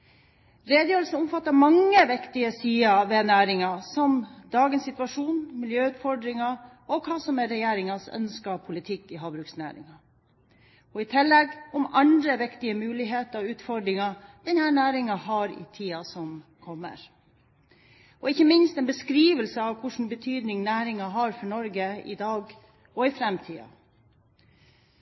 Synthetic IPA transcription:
ɾeːd̪əjøːlsn̩ʊmfɑt̪ːəɾmɑŋːəʋɪkt̪ɪəsiːɑʋeːnæːɾɪŋɑsɔmd̪ɑːɡənsɪt̪ʉʋɑʂuːnmɪljøːʉːt̪fɔɖɾɪŋɑ | ɔkʰɑːsɔmɛɾɛjeːɾɪŋɑsœ̰nskɑpʰʊlɪt̪ʰɪkːɪɦɑːbɾʉksnæ̰ːɾɪ̰ŋɑ | ɔɪt̪ʰɪlːɛɡʊmɑnd̪ɾəʋɪkt̪ɪəmʉːlɪɦeːt̪əʉːt̪fɔɾɖɾɪŋɑd̪̥ɛnhæːɳæːɾɪŋɑɦɑɾɪ̰t̪ʰiːɑsɔm | kʰɔmːə̰ɾ | ɔɪçːəmɪnst̪ɛnbəskɾiːʋəlsəɑʋkʰʊʂn̩bət̪ʰyːd̪nɪŋnæːɾɪŋɑɦɑɾfɔɳɔɾɡəɪ̰d̪ɑːɡ | ɔɪfɾɛmt̪ʰiːɑ̰

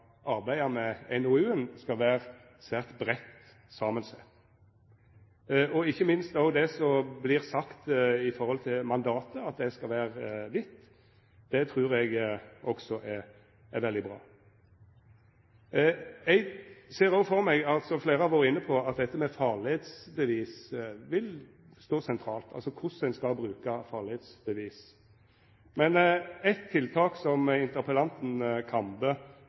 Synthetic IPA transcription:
ʔɑɾbæɪɑmɛɛnɔʉːənskɑʋæːʁ | sæːʁt̪bɾɛt̪ | sɑːmənsæ | ʔɔɪçːəmɪnst̪ɑʊd̪ɛsɔblɪʁsɑkt̪ɪfɔɾhɔlt̪ʰɪlmɑnd̪ɑːt̪əɑt̪̚d̪ɛskɑʋæːʁʋɪt̪ː | d̪̥ɛt̪ʰʁʉːʁɛɡʔɔksɔʔæ | æʋɛld̪ɪbʁɑ̰ː | ɛɡseːʁofɔʁmɛɡɑlt̪sɔfleːɾʁəɑʋoːɾəɪnːəpʰɔɑt̪̚d̪ɛt̪ːəmɛfɑʁlɪheːt̪sbəʋiːsʋɪl | st̪oːsɛnt̪ʰɾɑːlt̪ʰɑ̰lsɔkʰʊsɛnskɑlbɾʉːkɑfɑʁlɪheːt̪sbəʋiːs | mɛnɛt̪ʰːɪlt̪ʰɑːksɔmɪnt̪əʁpəlɑnt̪n̩kʰɑmbə

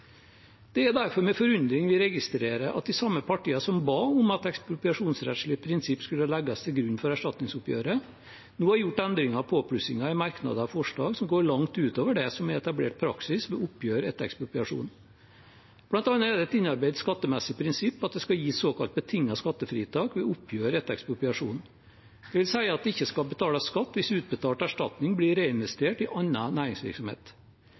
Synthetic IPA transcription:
d̪̥ɛæɾd̪æɾfɔɾmɛfɔɾʉnd̪ɾɪŋʋɪɾɛɡɪst̪ɾeːɾəʔɑt̪̚d̪ɪsɑmːəpʰɑʈiːɑsɔmbɑːʊmɑt̪ɛkspɾʊp̪ɑʂuːnsɾɛt̪ʂɭɪpʰɾɪnsɪpːskʉlːəhɑlæɡːɑst̪ʰɪlɡɾʉnːfɔɾæʂʈɑt̪nɪŋsʊpjø̰ːɾə | nuːhɑɾjʊʈːɛnd̪ɾɪŋɑpʰoːpʰɽʉsɪŋɑɪmɑɾknɑ̰d̪əɑʋfɔʂɭɑ̰ːɡsɔmɡoːɾɭɑŋt̪ʉːt̪oːʋəɖɛsɔmæɛt̪ɑblḛːʈ̚pʰɾɑ̰ksɪsʋɛʊpːjøːɾɛ̰t̪ɛ̰kspɾʊpʏɑʂṵːn | b̥lɑnt̪ɑnːəæɖɛt̪ɪnːɑɾbæɪd̪skɑt̪ːəmɛsːɪpʰɾɪnsɪpːɑt̪̚d̪ɛskɑjiːsoːkɑlt̪̚bət̪ʰɪŋːɑskɑt̪ːəfɾiːt̪ʰɑːkʋɛʊpʰːjøːɾəɛt̪ɛ̰kspʊpʏɑʂṵːn | d̪̥ɛʋɪlsæɪəɑt̪̚d̪ɛɪçːəskɑbət̪ʰɑːlɑskɑt̪ːʋɪsʉːt̪̚bət̪ʰɑːʈæʂʈɑt̪nɪŋblɪɾeːɪnʋɛst̪eːʈɪʔɑnːɑnæːɾɪŋsʋɪ̰ɾksɔmhḛːt̪

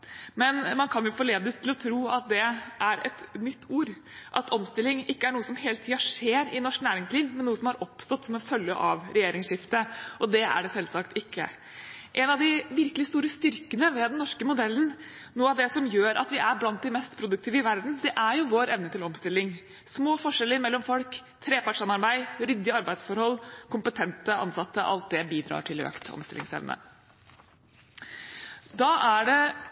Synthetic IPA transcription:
mɛnmɑnkʰɑnjʊfɔɭeːd̪əst̪ʰɪlɔt̪ʰɾuːɑt̪̚d̪ɛʔæɾɛt̪nʏt̪ʰːuːɾ | ʔɑt̪ʰɔmst̪ɪlːɪŋɪkːəæɳuːəsɔmɦeːlət̪ʰiːɑʂeːɾɪnɔʂknæːɾɪŋsliːʋmɛnːuːəsɔmhɑɾʔɔpst̪ɔt̪ːsɔmɔfœlːjə̰ʔɑʋɾɛjeːɾɪŋsʂɪft̪əʔɔd̪ɛæ̰ɖɛsɛlːsɑkt̪ɪkːə̰ | ʔɛnɑʋd̪ɪʋɪɾkəlɪst̪uːɾəst̪ʏɾkənəʋɛd̪nnːɔʂkəmʊd̪ɛlːən | nuːəɑʋd̪ɛsɔmjøːɾɑ̰t̪ʋɪʔæɾblɑnt̪̚d̪ɪmɛst̪pʰɾʊd̪ʉk̚t̪ʰiːʋəɪʋæɾd̪n̩d̪ɛʔæɾjʊʋoːɾɛʋnət̪ɪlɔmst̪ɪlːɪŋ | smoːfɔʂɛlːəɾmɛlːɔmfɔlkt̪ʰɾeːpɑʈʂɑmɑɾbæɪɾʏd̪ːɪɑɾbæɪsfɔɾhɔlːkʰʊmpət̪ʰɛnt̪əʔɑ̰nsɑt̪ːəʔɑ̰lt̪̚d̪ɛbiːd̪ɾɑ̰ːʈʰɪlø̰ːkt̪ʰɔ̰mst̪ɪlɪ̰ŋsɛ̰ʋnʔə̰ | d̪ɑːʔæɖɛ

